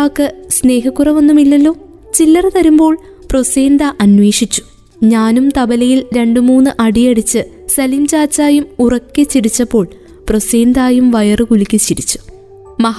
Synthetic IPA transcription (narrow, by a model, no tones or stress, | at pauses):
aːkːɨsne̞ːɦɐkːurɐʋɐnːumilːɐlːo̞ː | t͡ɕilːɐrɐt̪ɐɾumbo̞ːɭ | pro̞seːnd̪aʔɐnwe̞ːʂit͡ɕːu̥ | ɲaːnumt̪ɐbɐlɐjilɾe̞ɳɖɨmuːnːɨʔɐɽijɐɽit͡ɕːɨ | sɐlimt͡ɕaːt͡ɕːaːjumurɐkʲːɨt͡ɕːiɾit͡ɕːɐpːo̞ːɭ | proseːnd̪aːjumʋɐjɐrɨkulikʲːɨt͡ɕiɾit͡ɕːu̥ | mɐɦ